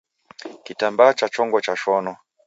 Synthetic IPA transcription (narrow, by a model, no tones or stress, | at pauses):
kitambaːt͡ʃat͡ʃɔŋɡɔt͡ʃaʃɔnɔ